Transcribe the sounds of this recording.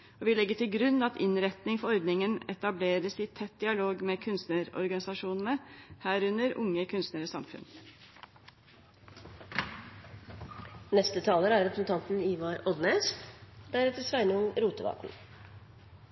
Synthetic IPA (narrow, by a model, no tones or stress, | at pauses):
ɔːʋɪlɛɡːəʈʰɪlɡɾʉnɑt̪ɪnɾɛt̪nɪŋfɔɔɾd̪nɪŋənɛt̪ɑbleːɾəsɪːt̪ʰɛt̪̚d̪ɪɑloːɡmeːkʰʉnst̪nəɾɔ̰ɾɡɑnɪsɑʂuːnn̩əhæːɾʉnəɾʊ̰ŋːəkʰʉnst̪nəɾəsɑmfʉ̰n | nɛst̪ət̪ʰɑːləɾæɾɾɛpɾəsn̩t̪ʰɑnt̪n̩iːʋɑɾʔɔd̪nɛstd̪æɾɛt̪əsʋæɪnəʊŋɾuːt̪əʋɑ̰ːkn̩